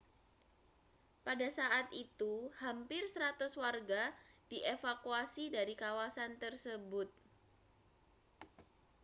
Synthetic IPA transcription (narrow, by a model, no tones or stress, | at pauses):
padasaʔat̪it̪uhampɪrst̪ɾat̪ʊswarɡad̥iʔefakuasidaɾikawasant̪ərsəbʊt̪̚